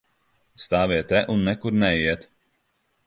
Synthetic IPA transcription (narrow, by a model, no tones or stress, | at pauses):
st̪aːviɛt̪ɛʔunːɛkuɾnɛjiɛt̪